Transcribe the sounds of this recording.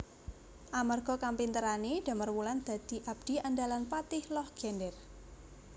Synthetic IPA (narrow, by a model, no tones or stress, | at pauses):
ʔamarɡ̥ɔ̤kampint̪əɾaneɖ̥a̤mərmuland̪̥ä̤d̪̥i̤ʔab̥̚d̪̥i̤andalanpat̪ɪhlɔhɡ̥ɛndɛr